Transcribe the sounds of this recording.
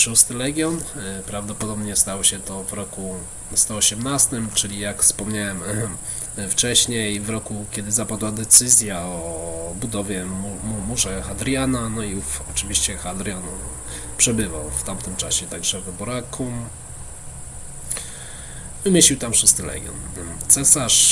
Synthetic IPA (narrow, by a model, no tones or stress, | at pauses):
ʂust̪ɘlɛɡʲjɔnpɾavd̪ɔpɔd̪ɔbɲɛst̪awɕɛt̪ɔvɾɔku | st̪ɔɔɕɛmnast̪ɘmt͡ʂɘlʲijakfspɔmɲawɛm | ft͡ʂɛɕɲejvɾɔkukʲɛd̪ɘzapad̪wad̪ɛt̪sɘzʲjaɔbud̪ɔvʲjɛmmumuʐɛxad̪ɾʲjananɔifɔt͡ʂɘvʲiɕt͡ɕɛxad̪ɾʲjanu | pʂɛbɘva̰wft̪amt̪ɘmt͡ʂaɕɛt̪aɡʐɛvɛbɔɾakʰum | vɘmʲeɕiwt̪amʂɨst̪ɘlɛ̰ɡʲjɔ̰nt̪sɛsaʂ